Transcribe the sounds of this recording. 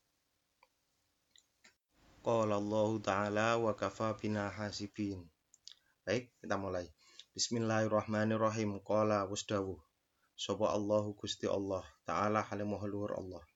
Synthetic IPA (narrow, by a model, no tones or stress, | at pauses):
qɑːlalˤːɑːhʊt̪aʕaːlaːwakafaːbɪnaːħaːsɪfiːn | bak̚d̪amʊlaj | b̥ɪsmɪlːaːhɪrˤːɑħmaːnɪrˤɑɦiːmqɑːlawʊstabu | sɔbɔʔɑlˤːɑːɦʊkʰʊst̪iʔɑ̰lˤːɑːht̪a̰ʕaːlaːħalɪmʊɦalʊhʊɾʔɑ̰lˤːɑːh